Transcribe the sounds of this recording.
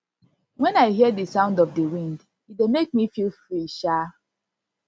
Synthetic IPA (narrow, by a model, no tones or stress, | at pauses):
wɛ̃naɪɦidəsãʊ̃ndɔvdəwĩnd | idemek̚mifilfɹiʃa